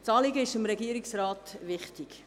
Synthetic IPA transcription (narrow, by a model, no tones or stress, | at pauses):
t͡sɑːliɡəɪʃɪmɾɛɡiəɾɪksraːtʋɪχtɪk